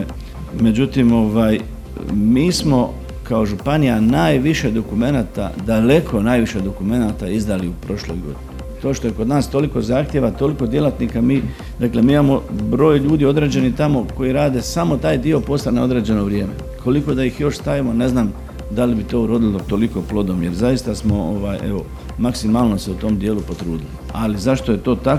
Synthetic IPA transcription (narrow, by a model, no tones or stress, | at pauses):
me̞d͡ʑut̪imo̞ʋaːj | miːsmo̞ | kao̞ʒupanijanaːjʋiʃe̞d̪o̞kume̞naːt̪a̰d̪ale̞kʰo̞naːjʋiʃe̞d̪o̞kume̞nat̪aizd̪aliupɾo̞ʃlo̞̰jɡo̞̰d̪ine | t̪o̞ːʃt̪o̞jeko̞d̪naːst̪o̞liko̞zaːxt̪je̞ʋat̪o̞liko̞d̪je̞lat̪nikamiː | d̪akle̞miːimamo̞bɾo̞ːjʎuːd̪io̞d̪ɾe̞ːd͡ʑe̞nit̪amo̞ko̞jiɾaːd̪e̞samo̞t̪aːjd̪io̞po̞st̪anao̞d̪ɾe̞ːd͡ʑe̞no̞ʋɾje̞ːme̞̰ | kʰo̞liko̞d̪ajixjo̞ʃst̪aʋimone̞znaːm | d̪alibit̪o̞ːuɾo̞ːd̪ilot̪o̞liko̞plˠo̞d̪o̞mje̞ɾzajist̪asmo̞oʋaje̞̰o̞ | maksimaːlˠno̞seut̪o̞md̪je̞ːlupo̞t̪ɾuːd̪ili | alizaʃt̪o̞je̞t̪o̞ːt̪ak